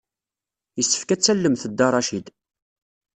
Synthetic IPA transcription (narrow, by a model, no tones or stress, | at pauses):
jəsːə̥fkæt͡sːælːəmθəd̪ːɑrˤɑʃid̪